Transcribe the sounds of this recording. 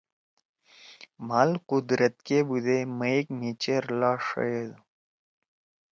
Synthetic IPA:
malqud̪ɾət̪̚kebud̪eməikmit͡ɕeɾlaːʂə̰jed̪

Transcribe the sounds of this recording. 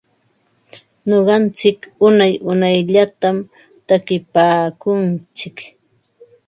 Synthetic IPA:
ɲoɢɑnt͡sɪkʊnajʊnajʎat̪am | t̪akɪpaːkʊnt͡sɪk

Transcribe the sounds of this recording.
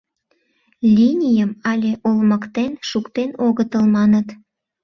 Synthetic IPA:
lʲinʲijəmɑlʲeʔolməkt̪enʃukt̪enoɣət̪əlmɑnət̪

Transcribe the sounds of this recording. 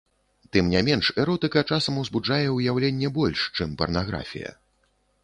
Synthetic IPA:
t̪ɨmnʲamʲɛnʂɛɾɔt̪ɨkɐt͡ʂasɐmɐwzbud͡ʐajɛujawlʲɛnʲːɛbɔlʲʂt͡ʂɨmpɐ̰rnaɣɾa̰fʲḭjɐ̰

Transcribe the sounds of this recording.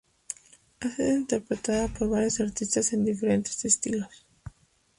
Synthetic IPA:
asiðoint̪e̞ɾpɾet̪aðapoɾβaɾjosaɾt̪ist̪ase̞nd̪ife̞ɾe̞nt̪est̪est̪iɣos

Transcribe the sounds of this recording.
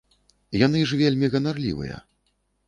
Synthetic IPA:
janɨʐvʲelʲmʲiɣɐnarlʲḭvɨ̰jɐ̰

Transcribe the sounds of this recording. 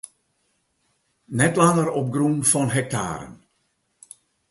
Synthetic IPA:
nɛtlaŋərɔp̚ɡrunfɔnɦɛk̚ta̰ːɾə̰n

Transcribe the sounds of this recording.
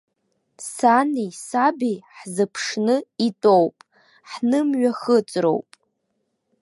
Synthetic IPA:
sanisabijħzɨpʰʂnɨitʼowpʼ | ħnɨmɥaχət͡sʼro̰wpʼ

